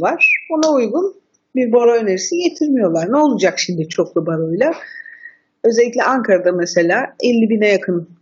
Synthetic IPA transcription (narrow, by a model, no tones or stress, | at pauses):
vaɾ̥onaujɡun | biɾboɾojneɾisije̞t̪ʰiɾmijo̞lˠaɾnɛo̞lˠud͡ʒakʃimd̪it͡ʃʰo̞klˠubaɾojlʲˠa | ø̞zɛlʲːic̬ʲlʲɛʔaŋkʰaɾad̪amese̞lʲaːɛlʲːibinɛjakʰɯn